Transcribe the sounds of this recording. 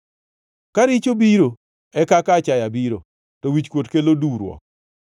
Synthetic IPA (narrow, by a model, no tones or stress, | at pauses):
kaɾit͡ʃobiɾo | ɛkakat͡ʃajabiɾo | tɔwit͡ʃkwotkeloduɾwɔ̰k̚